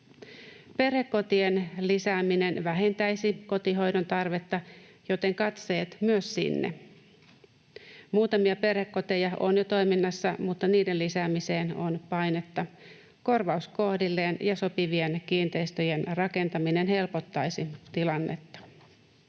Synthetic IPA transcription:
pe̞rhekːo̞t̪ie̞nlisæːmine̞nʋæɦe̞nt̪æjsiko̞t̪iɦo̞jdont̪ɑrʋe̞t̪ːɑjo̞t̪e̞ŋkɑt̪se̞ːt̪myøssḭnːḛ | muːt̪ɑmiɑpe̞rhekːo̞t̪ejɑo̞̰njot̪o̞jminːɑsːɑmut̪ːɑniːdelisæːmise̞ːno̞npɑjne̞t̪ːɑ | ko̞rʋɑusko̞hdilːe̞ːnjɑso̞piʋie̞nkiːnt̪e̞jst̪øje̞nrɑke̞nt̪ɑmine̞nɦe̞lpo̞t̪ːɑjsit̪ilɑnːe̞̰t̪ːɑ̥

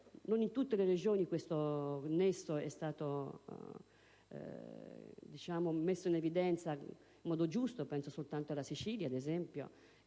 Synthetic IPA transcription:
nonint̪ut̪ːelered͡ʒoːnikwest̪onesːoɛst̪aːt̪o | d̪it͡ʃaːmomesːoinevid̪ɛnt̪sa | imːɔːd̪od͡ʒust̪opɛnsosolt̪ant̪oalːasit͡ʃiːljad̪ezɛmpjo̰

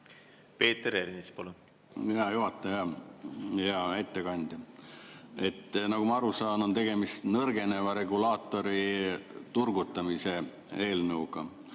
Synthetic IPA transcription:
pe̞ːt̪ːˑeɾeɾnispole | jɑjuɦɑt̪ˑːejɑ | jɑæjt̪ːˑekɑnʲd̪̥jɑ | e̞t̪ːˑnɑɡ̥umɑɑɾusɑːno̞nt̪e̞ɡ̥e̞mist̪nɤrɡ̥e̞ne̞vɑɾe̞ɡulɑːt̪ːˑo̞ɾit̪urɡut̪ːˑɑmise̞ | e̞ːlnɤuɡ̥ɑ

